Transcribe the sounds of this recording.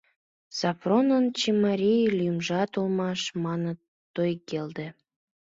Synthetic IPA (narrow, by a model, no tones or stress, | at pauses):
sɑfronənt͡ɕemɑɾʲijlʲmʒɑt̪ulmɑʃmɑnə | t̪ojkeld̪ĕ